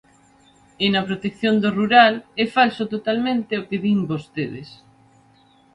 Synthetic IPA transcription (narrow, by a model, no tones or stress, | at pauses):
ɪnɐpɾot̪ekθjond̪oruɾalɛfalsot̪ot̪almẽnt̪eokeðimbost̪eðḛs